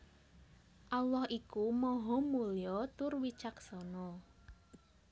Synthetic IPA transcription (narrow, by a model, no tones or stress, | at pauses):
ʔalɔhʔikumɔɦɔmulijɔt̪ʊrwit͡ʃaksɔnɔ